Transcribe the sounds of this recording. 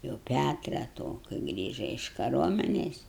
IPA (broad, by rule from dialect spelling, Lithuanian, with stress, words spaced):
jɛʊ ˈpʲætrɐ toː kɐɪ ˈɡrʲiːʒɐ ɪʃ kɐˈruɔmʲɛnʲeːs